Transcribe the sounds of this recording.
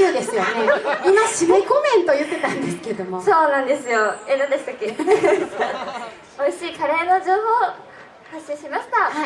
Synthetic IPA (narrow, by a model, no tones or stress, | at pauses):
ɯːd̪esɨjoneimaɕimekomẽ̞nt̪ojɯ̟t̪ːe̞t̪ãnd̪esɨ̥ked̪o̞moso̞ːnãnd̪e̞sɨjo̞enãnd̪esɨ̥t̪akːe | o̞iɕiːkaɾeano̞d͡ʑoːho̞ː | haɕĩɕimaɕi̥t̪ah